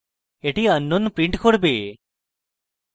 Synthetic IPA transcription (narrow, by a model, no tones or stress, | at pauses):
eʈiənːunpɾiɳʈkʰoɽbeː